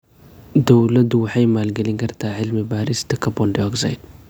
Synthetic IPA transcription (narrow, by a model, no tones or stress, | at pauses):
d̪ɐwlɐd̪uwħajmalɡɐliŋɡɐɾt̪ʰaʕɪlmibaɾist̪ɐkɐbɔndiɔɡza̰jd